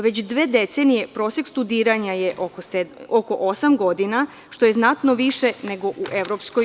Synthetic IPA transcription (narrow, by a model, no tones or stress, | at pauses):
ʋet͡ɕd̪ʋe̞ːd̪et̪senije̞pɾosekst̪ud̪iːɾaɲajeʔokoseoko̞ʔosamɡo̞d̪ina | ʃt̪o̞je̞znat̪noʋiʃene̞ɡo̞ʔuʔe̞ʋɾo̞psko̞j